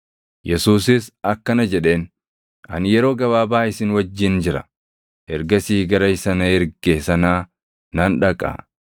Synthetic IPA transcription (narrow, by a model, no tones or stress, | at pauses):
jɛsuːsɪsɐkːɐnɐd͡ʒɛᶑe̞ːn | ʔɐ̰njɛɾo̞ːɡɐβaːbaːɪsɪnwɐd͡ʒːɪnd͡ʒɪɾɐ̰ | hɛɾɡɐsiːɡɐɾɐɪsɐnɐhɛɾɡeːsɐnaː | nɐnᶑɐkʼa̰ː